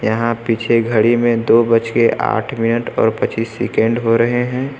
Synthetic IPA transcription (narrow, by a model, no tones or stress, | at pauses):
jɐɦãpit͡ʃʰeɡʱəɽimẽd̪oːbət͡ʃkeʔa̰ːʈʰmɪnəʈɔ̰ːɾpɐt͡ʃiːsːɪkə̃ɳɖɦoɾɐɦeɦɛ̃ː